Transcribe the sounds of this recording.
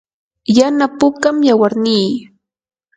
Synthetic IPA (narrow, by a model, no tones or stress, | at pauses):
janapʊkamjawaɾniː